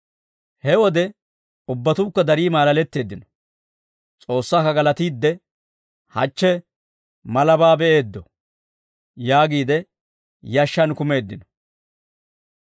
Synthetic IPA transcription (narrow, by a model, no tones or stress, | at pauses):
hɛwɔd̪ɛ | ʊbːɐt̪uːkːɐd̪ɐɾiːmaːlɐlɛt̪ːe̞ːd̪ːɪnɔ̥ | t͡sʼo̞ːsːaːkɐɡɐlɐt̪iːd̪ːɛ | hɐ̰t͡ʃːɛ | mɐlɐbaːbɛʔeːd̪ːɔ | jaːɡiːd̪ɛ | jɐʃːɐnkʊme̞ːd̪ːɪnɔ̥